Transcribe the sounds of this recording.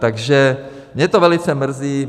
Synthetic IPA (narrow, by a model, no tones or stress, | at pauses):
t̪aɡʒɛ | mɲɛt̪ovɛlɪt͡sɛmr̩ziː